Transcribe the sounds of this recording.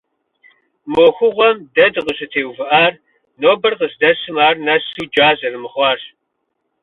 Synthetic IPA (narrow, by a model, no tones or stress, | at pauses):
moːxʷʊʁʷɔmdɐdqəʃɨtʰeːwvɨʔaːr | noːbɐrqəsdɐsɨmaːrnɐsuːd͡ʒaːzɐrɨmɨχʷɑːr